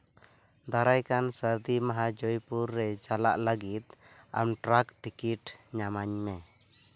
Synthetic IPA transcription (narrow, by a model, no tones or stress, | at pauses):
d̪aɾajkansəɾd̪imaɦad͡ʒɔjpuɾːɛd͡ʒala̰ʔləɡit̪̚a̰mʈɾakʈikiʈɲamaɲmɛ